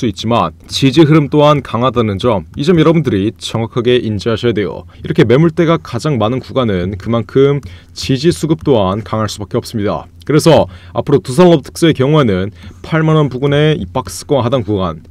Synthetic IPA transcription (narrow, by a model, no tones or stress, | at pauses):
s͈uit̚t͡ɕ͈iman | t͡ɕid͡ʑiɦɯɾɯmt͈oɦankaŋɦadanɯnd͡ʑʌmid͡ʑʌmjʌɾʌbundɯɾit͡ɕʌŋɦakʰaɡe̞ʔind͡ʑiɦaɕʰʌjadwe̞jo̰iɾʌkʰe̞me̞muɭt͈e̞ɡakad͡ʑaŋmanɯnkuɡanɯnkɯmankʰɯm | t͡ɕid͡ʑisʰuɡɯp̚t͈oɦankaŋɦaɭs͈ubak͈eʌp̚s͈ɯmɲida̰ | kɯɾe̞sʰʌa̰pʰɯɾotusʰanːʌb̚tʰɯ̥k̚s͈ɯe̞kjʌŋue̞nɯnpʰaɭmanʌnbuɡune̞ip͈ak̚s͈ɯ̥k͈ʌnɦadankuɡan